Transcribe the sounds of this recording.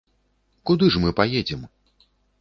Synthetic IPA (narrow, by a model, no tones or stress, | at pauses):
kud̪ɨʐmɨpajɛd͡zʲɛm